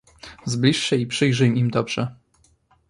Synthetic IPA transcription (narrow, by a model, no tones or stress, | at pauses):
zblʲiʂɕɛipʂɘjʐɘjmimd̪ɔbʐɛ